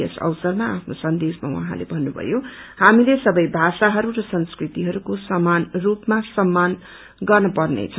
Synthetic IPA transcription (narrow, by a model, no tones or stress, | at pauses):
ʌsʌ̰wsʌrmaapʰnosʌnd̪esma̰wʌ̰ɦã̰lḛbʱʌnːubʱʌ̰johamilesʌbʌjbʱasaɦʌɾurʌsʌnskrit̪iɦʌɾukosʌmːanrupmasʌmːan | ɡʌrnʌpʌrnḛt͡sʰʌ